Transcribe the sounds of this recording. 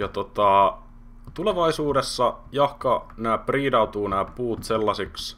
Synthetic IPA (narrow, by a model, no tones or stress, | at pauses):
jɑt̪ot̪ɑ | t̪uleʋɑisuːdesːɑjɑhkɑnæːpriːdɑut̪uːnæːpuːt̪selːɑsiks